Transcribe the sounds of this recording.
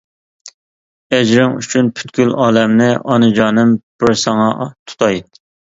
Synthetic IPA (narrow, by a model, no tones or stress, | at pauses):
ɛd͡ʒɾɪŋy̰t͡ʃʰynpʰy̥t̪kʲylɑːlɛmnɪʔɑnɨd͡ʒɑːnɨmb̥ɪɾsɑŋɑt̪ʰu̥t̪ʰɑjt̪